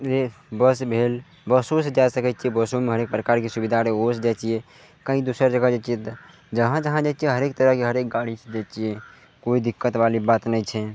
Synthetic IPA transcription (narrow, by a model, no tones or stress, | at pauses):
d͡ʒebəsbʱel | bəsosed͡ʒasəkɛt͡ʃiɛbəsomeɦəɾek̚pɾəkaɾkesubid̪ʱaɾeosd͡ʒat͡ʃije | kãɦĩd̪usəɾd͡ʒəɡad͡ʒat͡ʃijet̪ | d͡ʒəɦãd͡ʒəɦãd͡ʒat͡ʃijɛɦəɾekt̪əɾəɦkeɦəɾek̚ɡaɽised͡ʒat͡ʃijɛ | koid̪ikːət̪ʋalibat̪nəjt͡ʃʰɛ